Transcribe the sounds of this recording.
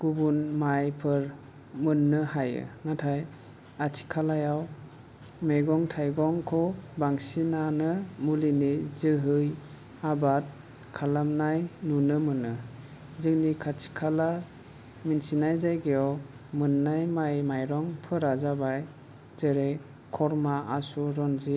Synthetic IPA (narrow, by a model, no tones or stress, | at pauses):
ɡ̥ubunmajpʰɯɾ | mɯnːɯhajɯ̰ŋatʰaj | atʰi̥kʰalajaw | mejɡɔŋtʰajɡɔŋkʰɔbaŋsinanɯmulinizɯɦɯj | abat̚ | kʰalamnajnunɯmɯnɯ | zɯŋnikʰatʰi̥kʰala | minsinajzajɡejɔ | mɯnːajmajmajɾɔŋpʰɯɾazabaj | zeɾe | kʰːɔɾmaʔasuɾɔnzi